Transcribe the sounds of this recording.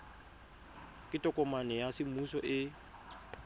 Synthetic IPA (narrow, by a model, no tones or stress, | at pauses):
kʼɪtʼɔkʼɔmanɛjasɪmusɔʔɪ